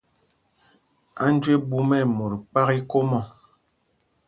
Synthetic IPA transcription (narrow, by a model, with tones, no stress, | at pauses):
a˦n˦d͡ʒwe˦bu˦mɛ˦˨mo˨ɾk͡pa˦ki˦ko˦mɔ˦˨